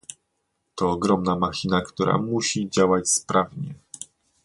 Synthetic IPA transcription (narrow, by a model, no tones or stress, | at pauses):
t̪ɔːɡɾɔmnamaxʲinakt̪uɾa̰muɕid͡ʑawat͡ɕspɾavɲɛ